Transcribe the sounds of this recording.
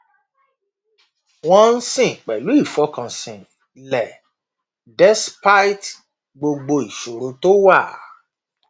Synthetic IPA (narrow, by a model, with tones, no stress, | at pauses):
w̃ɔ̃˦˧n̩˦sĩ˨k͡pɛ˨lu˨˦i˦˨fɔ˨˧kã˨sĩ˨ | lɛ˨ | dɛ˦spa˦jt | ɡ͡bo˧ɡ͡bo˧i˨ʃo˨ɾo˧to˦wa˦˨